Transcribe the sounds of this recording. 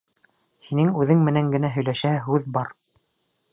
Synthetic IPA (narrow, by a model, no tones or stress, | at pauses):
hinɘŋʉðɘŋmɘ̆næŋɡɘ̆næɦɵ̆jlæʃæɦʉðbɑɾ